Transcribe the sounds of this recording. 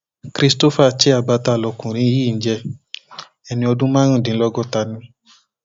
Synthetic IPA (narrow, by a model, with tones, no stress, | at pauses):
kɾi˧sto˦fa˦t͡ʃe˦a˨ba˧ta˧˨lɔ˨˧kũ˨ɾ̃ĩ˧˦˧i˦˨n̩˦d͡ʒɛ˧ | ɛ˧nĩ˧ɔ˧dũ˦mãː˦ɾ̃ũ˦˨dĩ˨˦lɔ˦ɡɔ˦˨ta˧nĩ˧˦